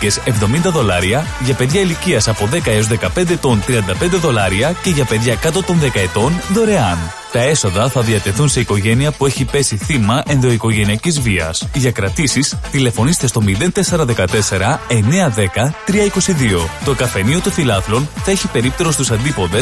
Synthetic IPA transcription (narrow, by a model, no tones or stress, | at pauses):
cese̞vðo̞mind̪ɐðo̞lɐɾiɐʝɐpe̞ðʝɐiliciɐsɐpo̞ðe̞kɐeo̞zðe̞kɐpe̞nd̪e̞ːt̪o̞nt̪ɾiɐnd̪ɐpe̞nd̪eðo̞lɐɾiɐce̞ʝɐpe̞ðʝɐkɐt̪o̞t̪o̞nðe̞kɐet̪o̞nðo̞ɾe̞ɐn | t̪ɐe̞so̞ðɐθɐðiɐt̪e̞θunse̞iko̞ʝe̞niɐpue̞çipe̞siθimɐʔe̞nðo̞iko̞ʝe̞niɐcizviɐ̰sʝɐkɾɐt̪isist̪ile̞fo̞nist̪est̪o̞miðe̞nt̪e̞se̞ɾɐðe̞kɐt̪e̞se̞ɾɐe̞ne̞ɐðe̞kɐt̪ɾiɐiko̞siðio̞t̪o̞kɐfe̞nio̞t̪ofilɐθlo̞nθɐeçipe̞ɾip̚t̪e̞ɾo̞st̪usɐnd̪ipo̞nðes